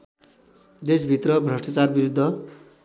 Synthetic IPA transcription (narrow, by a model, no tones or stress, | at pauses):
d̪esbʱit̪rʌbʱrʌsʈat͡sarbiɾud̪ʱːʌ